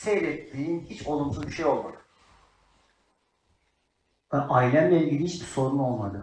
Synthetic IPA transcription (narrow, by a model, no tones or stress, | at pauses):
sejlʲɛinʲinhit͡ʃʰolˠumsuzbiʃejo̞lˠuɾ | ʔajlʲænlʲɛnʲilʲihit͡ʃbiso̞ɾuno̞lˠmad̪ɯ